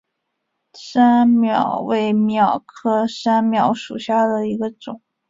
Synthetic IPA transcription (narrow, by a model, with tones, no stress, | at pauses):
sa˥nmjɑ˨˩˦ʊwe˥˩ɪmjɑ˨˩ʊkʰɤ˥ʂa˥nmjɑ˧˩ʊʂu˨˩ɕja˥˩d̪ə˩i˧˥ɡə˧ʈ͡ʂʊ˨˩˦ŋ